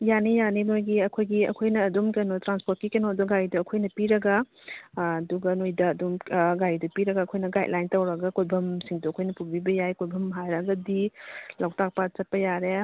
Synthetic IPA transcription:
janijanimojɡiɐkʰojɡiɐ̰kʰojnɐːdumkenotɾanspot̚kikenoduɡajduɐkʰojnɐpiɾɐɡɐː | duɡɐnojdɐːdumɡajdɐpiɾɐɡaːkʰojnɐɡajt̚lʔajntɐwɾɐɡɐkojbʱɐmsiŋduɐkʰojnɐpuɾbibɐjajkojbʱɐmɦajɾɐɡɐdilawtak̚pat͡ʃɐt̚pɐjaɾe

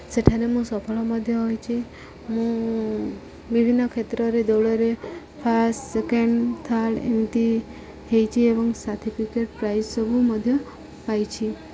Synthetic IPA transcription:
səʈʰanemũsɔpʰəɭoməd̪ʱjəɦojt͡ʃʰe | mũ | bibʱinːəkʰet̪ɾoɾed̪oɭoɾe | pʰaɾsʈsekeɳɖt̪ʰalḛnt̪i | ɦejt͡ʃʰieʋəŋɡsat̪ʰipikeʈ̚pɾajzsəbʱuməd̪ʱjə | pajt͡ʃʰi

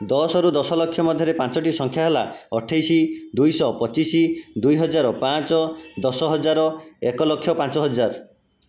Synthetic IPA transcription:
d̪ɔsɔɾud̪ɔsɔlɔkʰːjɔmɔd̪ʱjɔɾepãnt͡ʃɔʈisɔŋkʰjaɦelaɔʈʰajsid̪ujsɔpɔt͡ʃisid̪ujɦɔd͡ʒaɾɔpãt͡ʃɔd̪ɔsɔɦɔd͡ʒaɾɔekɔlɔkʰjɔpãnt͡ʃɔɦɔd͡ʒaɾ

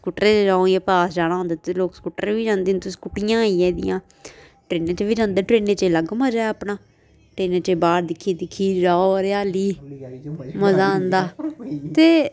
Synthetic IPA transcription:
skuːʈəɾeɾãːõiːpaːsd͡ʒaːɽ̃aːõːnd̪aːt̪eloːkskuːʈə̰ɾʋiːd͡ʒãːnd̪ĩːnt̪ʊsi̥ːkʊʈɪjãːiːɛ̃ːd̪ɪ̰jãː | ʈɾeːneːt͡ʃːʋiːd͡ʒãːnd̪eːʈɾeːneːt͡ʃeːləɡmaːd͡ʒaːeaːpnaː | ʈɾeːneːt͡ʃebaːɾd̪ɪkʰːiːd̪ɪkʰːiːɾaːoɾeaːliː | məzãːnd̪aːt̪eː

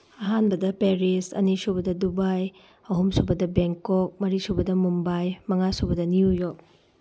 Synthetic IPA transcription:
ɐɦanbɐdɐpeɾisɐ̰nisubɐdɐdubaj | ɐɦumsubɐdɐbeŋkɔk̚mɐɾisubɐdɐmumbajmɐŋasubɐdɐnijujo

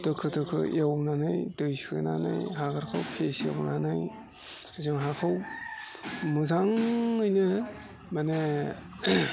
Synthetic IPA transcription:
d̥ɯkʰɯdɯkʰɯ̰jawnanajdɯjsiɯ̰na̰na̰jɦaɡaɾkʰawpʰesja̰wnanaj | zɯŋɦakʰaw | mɯzaŋɯjnɯ | mane

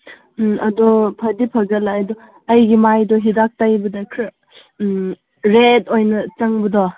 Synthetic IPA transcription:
ʔɐdɔpʰɐdipʰɐɡɐlajdɔ | ɐjɡimajdɔɦidak̚tajbɐdɐkʰɾ | ɾetojnɐt͡ʃɐŋbɐdɔ

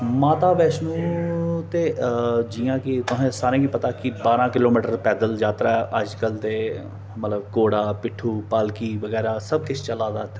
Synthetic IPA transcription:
maːt̪aːʋɛːʃnũːt̪eːd͡ʒijãːkɪt̪ʊɦẽːsaːɾẽːɡiːpət̪aːkɪbaːɾãːkɪloːmiːʈəɾpɛːd̪əld͡ʒjaːt̪ɾaːʔəd͡ʒkəlt̪eː | mət̪ləbkoːɽaːpɪʈʰːuːpaːlkiːʋəɡɛːɾaːsəb̚kɪt͡ʃʰt͡ʃəlaːd̪aːt̪e

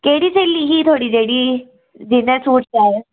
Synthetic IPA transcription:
keːɽiːt͡ʃeːlːiːɦit̪ʰoːɽiːd͡ʒeːɽiː | d͡ʒɪnɛ̃suːʈʰaːe

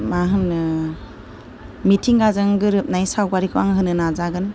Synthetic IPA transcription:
maɦɯn | mitʰiŋɡazɯŋɡɯɾɯp̚najsawbaɾikʰɯwaŋɦɯnɯnazaɡɯn

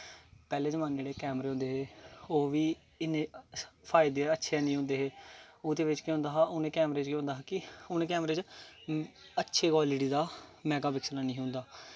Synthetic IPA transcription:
pɛːleːzəmaːneːɽeːkɛːmɾeːɦʊ̃nd̪eːɦeːoːʋiː | ɪnepʰaːɪd̪eətːʃʰeɛːnĩːɦʊ̃nd̪eːɦeːoːd̪eːʋɪt͡ʃkõɦʊ̃nd̪aːɦaːʔʊnẽːkɛːmɾeːt͡ʃkõɦʊ̃nd̪aːɦaːkɪʊnẽːkɛːmɾeːt͡ʃ | ətːʃʰeːkoːlɪʈiːd̪aːmɛːɡaːbɪkslaːnĩːɦʊ̃nd̪aː

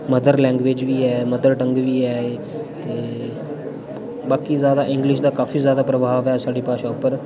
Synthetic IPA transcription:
məd̪əɾlɛ̃ːŋɡʋeːd͡ʒʋʱiːɛːməd̪əɾʈə̃ŋɡʋiːɛːe | t̪eː | baːkiːzjaːd̪aʔɪ̃ŋɡlɪʃ̬d̪aːkaːfiːzjaːd̪aːpɾəbʱaːʋjasaːɖiːpaːʃãpːəɾ

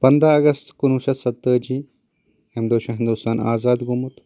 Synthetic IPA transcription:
pɐnd̪ɾaɐɡɐst̪kunuʃɐsɐt̪ːəd͡ʒiː | emd̪uːʃɐɦɪnd̪uːst̪aːnaːzaːd̪ɡumut̪

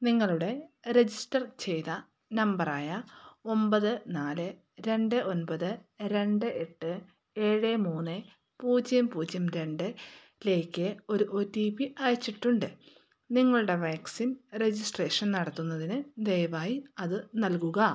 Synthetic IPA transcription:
niŋːɐɭuɽe̞ɾed͡ʑisʈɐrt͡ɕe̞jt̪ɐ | nɐmbɐraːjɐo̞mbɐðɨnaːlɨ | ɾe̞ɳɖɨʔo̞nbɐðɨɾe̞ɳɖɨʔe̞ʈːɨ | e̞ːɻɨmuːnɨ | puːd͡ʑjɐmpuːd͡ʑjɐmɾe̞ɳɖɨ | le̞ːkʲːɨo̞ɾuʔotːipiʔaːjɐt͡ɕːiʈːuɳɖɨ | niŋːɐɭuɽe̞ʋaːksimred͡ʑisʈreːʂɐnnɐɽɐt̪ːunːɐðinɨd̪ejɐʋaːjiɐðɨnɐlkuɣɐ

